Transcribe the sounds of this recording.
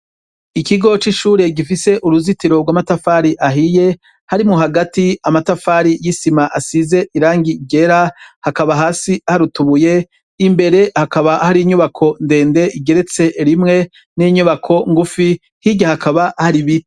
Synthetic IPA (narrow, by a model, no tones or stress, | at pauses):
ikiɡo̞t͡ʃiʃuːɾe̞ɡifise̞ʔuɾuzitiɾo̞ɡwaːmatafaːɾiʔaɦije̞ | haɾimŋuɦaɡatiamatafaːɾijisimaʔasize̞ʔiɾaːŋɡiɡe̞ɾahakaβaɦaːsihaɾutuβuje̞ | imbe̞ɾe̞hakaβahaɾiiɲuβakʰo̞nde̞ːnde̞ʔiɡe̞ɾe̞t͡se̞ɾimŋe̞ | niɲuβakʰo̞ŋɡufi | hiɟahakʰaβahaɾiβi